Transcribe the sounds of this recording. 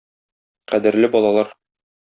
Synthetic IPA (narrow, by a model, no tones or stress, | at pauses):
qæd̪ɘ̆ɾlɘbɒlˠɑlˠɑɾ